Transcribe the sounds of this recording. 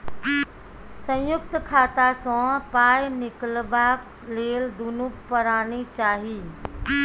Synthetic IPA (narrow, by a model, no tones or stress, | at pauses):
sə̃jʊkt̪kʰaːt̪asɔ̃paːjnɪkəlbaːk | leːld̪unukpəɾaːnit͡ʃaːɦi